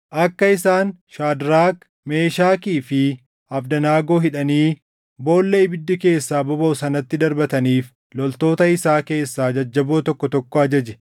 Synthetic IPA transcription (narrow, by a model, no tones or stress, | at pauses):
ʔɐkːɐɪsaːnʃaːd̪ɾaːk | me̞ːʃaːkiːfɪ | ɐfd̪ɐnaːɡo̞ːɦɪᶑɐniː | bo̞ːlːɛɪbɪd̪ːɪke̞ːsːaːbɔbɐsɐnɐt̪ːɪd̪ɐɾbɐt̪ɐniːf | lɔlt̪o̞ːt̪ɐɪsaːke̞ːsːaːd͡ʒɐd͡ʒːɐbo̞ːt̪ɔkːɔt̪ɔkːɔɐd͡ʒɐd͡ʒɛ̥